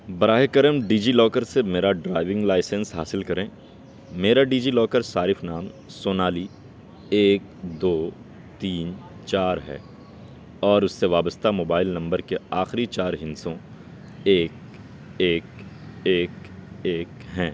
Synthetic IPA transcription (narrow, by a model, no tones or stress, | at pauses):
bɐɾaːɦekəɾəmɖiːd͡ʒiːlɔːkəɾsemeːɾaɖɾaːɪʋɪ̃ŋɡlaːɪsə̃nsɦaːsɪlkɐɾẽː | meːɾaɖiːd͡ʒiːlɔːkəɾsaːɾɪfnaːmsoːnaːli | eːk̚ | d̪oː | t̪iːnt͡ʃaːɾɦɛ̰ː | ɔːɾʊsːeʋaːbəst̪amoːbaːɪlnɐ̃mbəɾkeaːxɾit͡ʃaːɾɦɪ̃nsõ | eːk̚ | eːkeːkeːkɦɛ̃ː